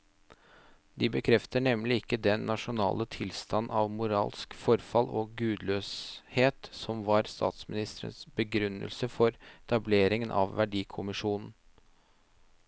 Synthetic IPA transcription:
d̪ɪbəkʰɾɛft̪əɳɛmlɪɪkːəd̪ɛnːɑʂʊnɑ̰ːlət̪ʰɪlst̪ɑnːʔɑʋmʊɾɑ̰ːlskfɔɾfɑloɡʉːd̪løːsheːt̪sɔmʋɑɾst̪ʰɑ̰ːt̪smɪnɪst̪əɾə̰nsbəɡɾʉnːə̰lsəfɔɾɛt̪ʰɑbleːɾɪŋənʔɑ̰ʋʋæɖiːkʰʊmɪʂuːnn̩

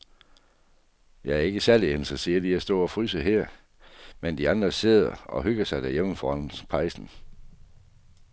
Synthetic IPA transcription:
jɑ̈ɪæɐe̝ɡ̥əsæɐliensɐsiːɐd̥iæsd̥ɔ̰̽ːɒ̽fʁyːsəɦɛɐ̰ | mend̥iɑ̈nd̥ʁɐse̝ðˠɐɒ̽ɦøɡ̥ɐsɑ̈ɪd̥æɐjem̰̩fɒɒnspʰɑ̈ɪsn̩

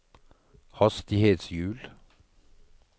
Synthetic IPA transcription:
hɑst̪ɪheːt̪sjʉːl

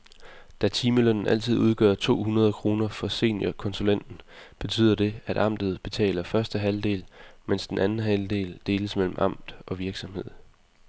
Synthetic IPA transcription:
d̥æt͡sʰiːməløn̰n̩ʔæl̰t͡sʰið̞̰ˠuð̞ˠɡ̥ɶ̰ɐt͡sʰo̝̰ːhunɐð̞ˠkʰʁo̝ːnɐfɒ̽se̝̰ːnjɐkʰɒ̽nsulen̰d̥n̩b̥e̝t͡sʰy̰ːð̰ˠɐd̥e̝æɾ̥ʔɑ̈m̰d̥ð̞̩ˠb̥e̝t͡sʰɛ̰ːlɐfɶɐsd̥əɦæld̥e̝̰ːlmen̰sd̥enænn̩ɦæld̥e̝̰ːld̥e̝ːləsmel̰m̩ʔɑ̈m̰d̥ʔɒ̽ʋiɐɡ̥sɒ̽mhe̝ð̰ˠ

